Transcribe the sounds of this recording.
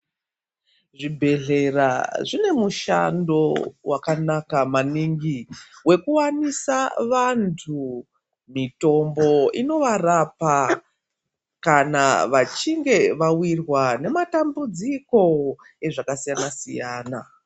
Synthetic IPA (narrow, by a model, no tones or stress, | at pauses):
ʐibʱe̞ɮe̞ra̰ʐine̞muʃa̰ndo̞wakanakamaniŋɡiwe̞kuwanisaʋantʰu | mito̞mbo̞ino̞ʋarapa | kanaʋat͡ʃiŋɡe̞ʋawirwane̞matambud͡ziko̞ | e̞ʐakasijanasijaːna